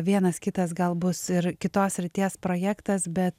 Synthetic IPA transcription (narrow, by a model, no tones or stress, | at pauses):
ʋʲiɛnɐskʲɪt̪ɐsɡɐlˠbʊsɪɾkʲɪt̪oːssʲɾʲɪt̪ʲiɛspɾoːjæːkt̪ɐsbʲɛt̪